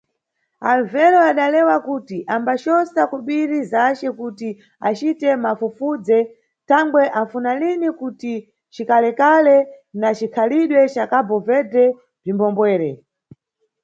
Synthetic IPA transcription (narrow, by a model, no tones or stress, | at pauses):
aluvɛɾɔaɗalɛwakutiʔambaʃɔsakuɓiɾizat͡ʃɛkuti | a̰t͡ʃitɛmafufud͡zɛ | tʰaŋɡwɛʔafunalinikuti | t͡ʃikalɛkalɛnat͡ʃikʰaliɗwɛt͡ʃakabɔvɛdɛ | b͡ʐimbɔmbwɛːɾɛ